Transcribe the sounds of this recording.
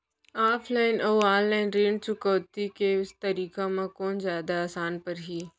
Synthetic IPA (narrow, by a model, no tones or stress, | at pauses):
aːpʰlaːɪnʔoʋaːllaːɪnɾiːɳt͡ʃʊkɔːt̪ikeʊst̪ɐɾiːkamãkoːnzjaːd̪aaːsaːnpɐɾɦiː